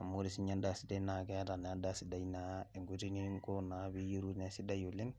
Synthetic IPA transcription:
a˨muɾi˨siɲa˦nda˨sida˦na˨kɛta˨nada˦si˨dainae˨ŋɡuti˦niŋko˦nabi˦ji˦ɾunesi˦dajoli˦n

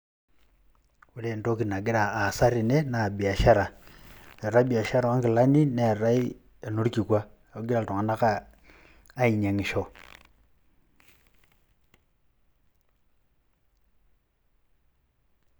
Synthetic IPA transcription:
wu˦ɾe˦˨˦to˦ki˨na˨ɡi˦a˨a˨sa˦ɾi˨ne˦na˨bi˨a˨ʃa˦ɾa˨ | e˨ɾa˦bi˨a˨ʃa˦ɾa˨a˦ŋki˨la˦ni˦ne˦a˨ɾa˦i˦ | a˨no˦ɾki˨kwa˦˨ | o˨˦ɡi˦ɾa˨to˨a˨na˦kaː˦ | i˨ɲa˨ŋi˨ʃo˦

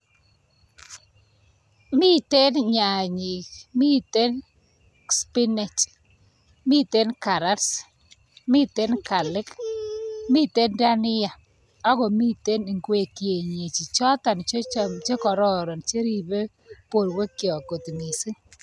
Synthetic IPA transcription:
mi˦te˦nɲa˨ɲi˨kmi˦te˦n | spi˦nɛ˨t͡ʃ | mi˦te˦nka˨ɾa˦ɾs | mi˦te˦nka˨lɪ˦k | mi˦˨te˦nda˦nɪ˦ja˨ | a˦ɣɔ˨mi˦te˦ni˨ŋɡwe˨kje˨ɲe˨t͡ʃi˨t͡ʃɔ˦ta˨nt͡ʃe˦t͡ʃe˦kɔ˨ɾɔ˦˨ɾɔ˨nt͡ʃe˦ɾi˨be˦ | po˨ɾwe˦kjɔ˨ko˨tmi˨si˦ŋ

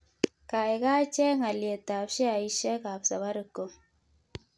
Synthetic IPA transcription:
ka˨e˨ka˦t͡ʃɛ˦ŋa˨lje˨ta˨pʃɛ˦a˨i˦ʃɛ˦ka˨psa˨βa˦ɾə˨ko˦

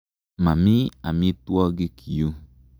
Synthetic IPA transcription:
ma˨mĩ˦a̰˨mĩ˧˦tu˦ɔ˧ɡe˦kʰi˨jo˧

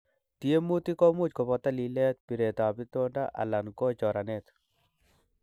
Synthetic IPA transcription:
tie˦mu˦ti˦kɔ˦mʊ˦t͡ʃko˨pɔ˨ta˦li˨lɛ˦t̪̚pi˨ɾe˨ta˨a˨pi˦to˦nda˦ʔa̰˨la˨nkɔ˦t͡ʃɔ˨ɾa˨nɛ˦˨t̪

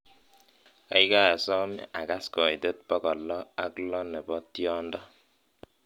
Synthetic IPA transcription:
ka˨˦i˦ka˦˨sɔ˦mɛ̰˦ʔa˨ka˦skɔ˨jte˦t̚pɔ˦kɔ˨lːɔ˦a˦klɔ˦nɛ˨bɔ˦tjɔ˦ndɔ˦

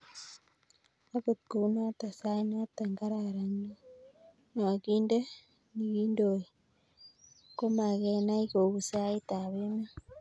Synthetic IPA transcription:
a˦βo˨tko˨u˦na˦ta˨sa˦i˦na˦ta˨ŋɡa˦ɾaɾa˨ɲe˦ | no˨a˨ɣiː˦nde˦ | ni˨ɣi˦ndo˨i | ko˦ma˨ɣe˨na˦iɣo˨ɣu˨sa˦i˦ta˨βe˦ma˦

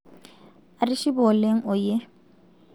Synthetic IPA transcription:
a˨rɪ˦ʃi˦bɔ˨le˦ŋ̩˦ʊ˨je˦

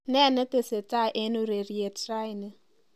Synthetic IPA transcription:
nɛ˦˨nə˦te˨se˨ta˦˨ʔe˦nu˦ɾe˨ɾi˨e˨tɾa˦jnə˦

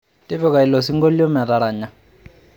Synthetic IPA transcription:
tʼi˦βɛ˦˨ka˨i˨lɔ˨si˦ŋɡɔ˦li˦ɔ˦ma˨ta˨ɾa˨ɲa˨

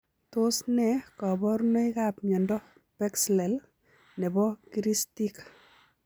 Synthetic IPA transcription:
to˦snɛkɔ˨bɔ˦ɾno˦i˦kapmjɔ˨ndɔ˦ | pɛkslɛ˨l | nɛ˨bɔ˦kiɾistik

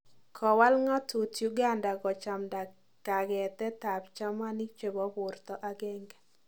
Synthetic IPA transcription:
kʰɔ˨wa˦lŋɔ˦tu˨tju˦ɡa˦nda˨ɡɔ˨t͡ʃa˨mda˨ | ka˨ɡɛ˨t̪ɛ˦ta˨pt͡ʃa˦ma˦ni˦t͡ʃe˨bɔ˦bʊ˨rt̪ɔ˦ʔa˦ɡɛ˦ŋɡɛ˨

